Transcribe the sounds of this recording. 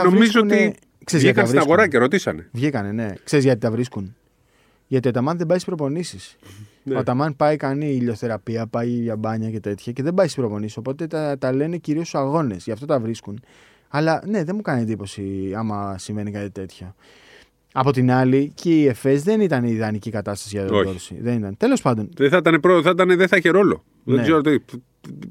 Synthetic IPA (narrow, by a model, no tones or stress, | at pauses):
novmɾiiszoune | ksezɣiɐtkɐvɾiɐɣoɾɐceɾo̞t̪isɐ̰nevʝikɐne̞ne̞kse̞ɾizʝɐt̪it̪ɐvɾiskun | ʝɐt̪iot̪ɐmɐnðebɐisi̥pɾo̞po̞nisis | ot̪ɐmɐnpɐikɐniːʎo̞θe̞ɾɐpiɐpɐjʝɐbɐɲɐce̞t̪e̞t̪çɐce̞ðe̞bɐisi̥spɾo̞po̞nisiso̞po̞t̪e̞t̪t̪ɐle̞ne̞ciɾio̞sɐɣo̞ne̞zʝɐft̪ot̪ɐvɾiskun | ɐlɐne̞ðemukɐnie̞nd̪ipo̞siɐmɐsiɱve̞nikɐt̪it̪e̞t̪ço | ɐpo̞t̪inɐliceie̞fe̞zðe̞nit̪ɐniːðɐnicikɐt̪ɐst̪ɐsiʝɐðooɾsḭðe̞nit̪ɐnt̪e̞lo̞spɐnd̪o̞nðeθɐt̪ɐnepɾoθɐt̪ɐneðeθɐçeɾo̞lo̞̰ | ðneɡzeɾot̪e